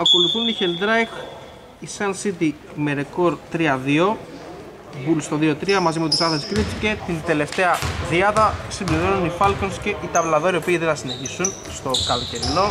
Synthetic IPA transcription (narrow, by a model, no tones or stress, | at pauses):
ɐko̞luθunːiçeld̪ɾɐjx | isɐnsit̪i | meɾeko̞ɾt̪ɾiɐðio̞ | bulst̪o̞ðio̞t̪ɾiɐmɐzimut̪isɐθeskɾit͡si̥ce̞t̪ind̪e̞le̞ft̪eɐðiɐðɐsimbliɾo̞nunifɐlko̞nsce̞ʔit̪ɐvlɐðo̞ɾio̞piːðenθɐsine̞çisun | st̪o̞kɐloce̞ɾilo̞